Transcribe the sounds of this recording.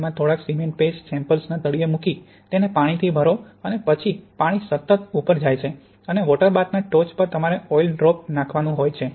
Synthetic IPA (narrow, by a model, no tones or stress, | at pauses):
mãt̪ʰoɽaksimeɳʈ̚pessɛ̃mpəlsnat̪əɽiemuki | t̪enepaɽ̃it̪ʰibʱəɾo | ənepət͡ʃʰipaɽ̃isət̪ːət̪upəɾd͡ʒajt͡ʃʰe | əneʋɔʈəɾbat̪naʈot͡ʃpəɾt̪əmaɾeɔilɖɾɔp̚nãkʰʋanũɦojt͡ʃʰe